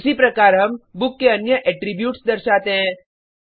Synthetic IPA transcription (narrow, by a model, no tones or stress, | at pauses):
sipɾɐkaːɾɦɐmbʊkːeɐnjəʔɛʈɾibjuːʈsd̪ɐɾʃaːt̪eɦɛ̃ː